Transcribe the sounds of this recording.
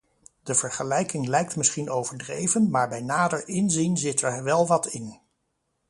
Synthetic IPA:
d̥əv̥əɹχəlɛjkɪŋlɛjk̚tmɪsχinowvəɹdrejvənmaːɹbɛjnaːdəɹɪnzinzɪtɛɹʋɛlˠʋɑtɪn

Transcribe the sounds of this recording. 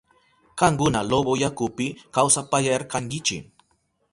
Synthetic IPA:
kɑŋkʊnalobojakʊpɪkawsapajaaɾkaŋkɪt͡ʃɪ̰

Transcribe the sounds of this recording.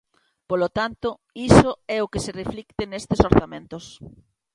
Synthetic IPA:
polot̪ant̪ʊisoɛokesereflikt̪enest̪esoɾθamẽnt̪os

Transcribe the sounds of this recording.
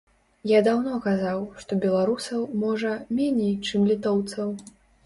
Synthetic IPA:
jad̪awnɔkazawʂt̪ɔbʲɛlˠaɾusɐwmɔʐɐmʲenʲejt͡ʂɨmlʲit̪ɔwt̪sɐw

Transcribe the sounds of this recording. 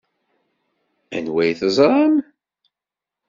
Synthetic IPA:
æ̰nwæjθəzˤɾˤɑm

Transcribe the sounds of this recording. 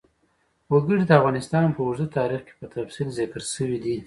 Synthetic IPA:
wəɡəɽid̪əafɣɑnɪst̪ɑnpəʊɾzət̪ɑɾixke̥pət̪afsilzɪkəɾʃəwid̪i

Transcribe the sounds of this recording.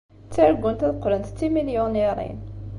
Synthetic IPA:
t͡sːaɾɡʷːʊnt̪æðqːlənt̪t͡sːimiljuneɾˤḭn

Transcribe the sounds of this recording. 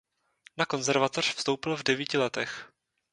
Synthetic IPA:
nako̞nzɛɾvat̪or̝̥fst̪o̞wpɪlvdɛviːcɪlɛt̪ɛx

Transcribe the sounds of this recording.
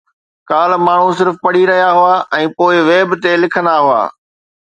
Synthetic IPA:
kaːlmaːɳ̤ũs̬ɪɾfpɐɽiɾɐɦijaɦʊaːʔɛ̃ːpoːɪʋeːbt̪elɪkʰə̃nd̪aɦʊa̰ː

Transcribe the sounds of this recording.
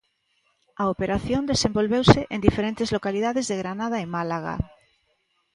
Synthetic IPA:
aopeɾaθjõnd̪esẽmbolβewseʔend̪ifeɾent̪ezlokaliðaðezðeɣɾanaðaemalaɣa̰

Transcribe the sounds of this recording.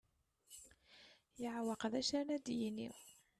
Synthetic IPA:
jəʕwɑqðæʃænæd̪jinḭw

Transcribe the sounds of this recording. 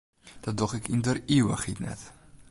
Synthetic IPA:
d̥ɔdɔχɪkindəriwəχitnɛ̰t

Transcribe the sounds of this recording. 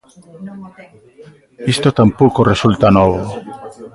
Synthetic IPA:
ist̪ot̪ampokoresult̪anoβo

